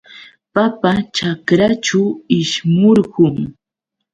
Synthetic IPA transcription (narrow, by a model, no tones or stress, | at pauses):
papat͡ʃakɾat͡ʃʊɪʃmʊɾɢʊŋ